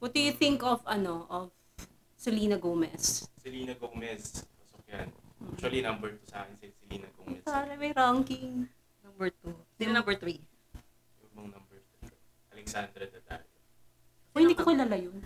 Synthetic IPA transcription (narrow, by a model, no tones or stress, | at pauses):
wɔt̪̚d̪ʊjʊθɪŋkɔfɐnoʔɔv | sɛliːnɐɡowmɛssɪliːnɐɡowmɛspɐsokja̰nʔakʃʊɐlinɐmbɛɹt̪usa̰ːkɛnsɪsɪlḭːnɐɡowmɛpaːɾɛmɐjɾaŋkɪŋ | nɐmbɛɹt̪unɪmnɐ̃mbɛɹt̪ɾi | jɐɡ̚bɐŋnɐmbɛɹt̪u | ʔɐlɛksand̪ɾɐd̪ɐd̪a̰ɾɛ | sohɪndiːkokɪlaːlajon